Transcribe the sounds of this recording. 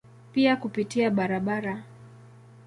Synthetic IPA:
piakupitiaɓaɾaɓaɾa

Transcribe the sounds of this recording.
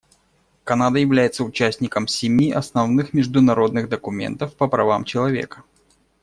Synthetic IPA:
kɐnad̪əjɪvlʲæjɪt̪səʊt͡ɕæsʲnʲɪkəmsʲɪmʲiʔɐsnɐvnɨxmʲɪʐd̪ʊnɐɾo̞d̪nɨɣd̪əkʊmʲe̞̰nt̪əfpəpɾɐvamt͡ɕɪlˠɐvʲḛkə̥

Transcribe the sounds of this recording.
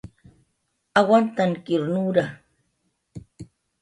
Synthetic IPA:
awant̪aŋkɪɾnuɾa

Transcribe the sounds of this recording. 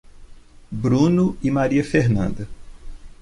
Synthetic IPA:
bɾũnʊɪmaɾiɐfeɦnɐ̰̃nd̪ɐ

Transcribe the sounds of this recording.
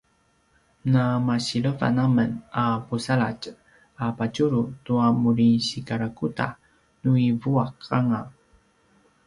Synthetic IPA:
namaɕiləva̰namənapusaɭac | apat͡ʃuɾutuamuɾinɕikaɾakuta̰ | nuivuakaŋa

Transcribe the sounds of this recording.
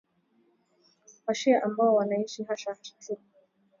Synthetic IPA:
waʃiaʔambaɔwanaiʃiɦaʃai̥tʰu

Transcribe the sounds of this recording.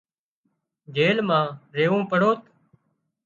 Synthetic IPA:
d͡ʒeːlmãːɾeːũːpəɽoːt̪

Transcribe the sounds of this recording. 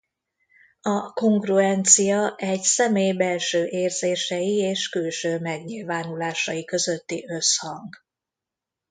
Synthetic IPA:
ɒko̞ŋɡruɛnt̪sijɒɛɟsɛmeːjbɛlʃøːʔeːrz̥eːʃɛjieːʃkylʃøːmɛɡɲilvaːnulaːʃɒjikø̞zøt̪ːiʔø̞shɒŋɡ

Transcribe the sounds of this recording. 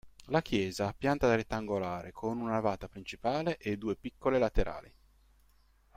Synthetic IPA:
lak̟jɛːzapjant̪ad̪ɾet̪ːaŋɡolaːɾʔekʰonunaavaːt̪apɾint͡ʃipaːleʔed̪ːuːepikːolelat̪eɾʔa̰ːli

